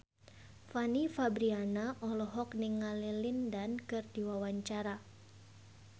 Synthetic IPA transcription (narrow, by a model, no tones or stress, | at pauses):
fanifabɾianaʔɔlɔɦɔk̚niŋːalilindankɨrdiwawaɲt͡ʃaɾa